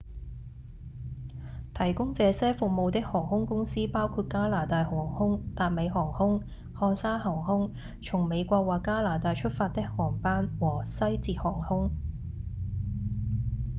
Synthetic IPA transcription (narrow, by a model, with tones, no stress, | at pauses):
t̪ʰɐ˨˩jkʊ˥ŋt͡sɛː˨˧sɛː˥fʊ˨k̚mo˨˧wt̪ɪ˥k̚hɔː˨˩ŋhʊ˥ŋkʊ˥ŋsiː˥paː˥wkʰuː˧t̚kaː˥laː˨˩t̪aː˨˧jhɔː˨˩ŋhʊ˥ŋt̪aː˧t̚me˨˧jɦɔː˨˩ŋhʊ˥ŋ | hɔː˧ŋsaː˥nɦɔː˨˩ŋhʊ˥ŋ | t͡ʃʰʊ˨˩ŋme˨˧jkʷɔː˧k̚waː˨kːaː˥laː˨˩t̪aː˧jt͡ʃʰɵ˥t̚faː˧t̚t̪ːɪ˥k̚hɔː˨˩ŋpaː˥nwɔː˨˩sɐ˥jt͡siː˨˧t̚hɔː˨˩ŋhʊ˥ŋ